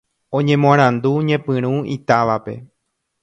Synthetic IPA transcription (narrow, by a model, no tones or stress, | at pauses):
õ̞ɲẽ̞mõãɾ̃ãnd̪uɲẽ̞pɨ̃ɾ̃ũit̪aʋape̞̰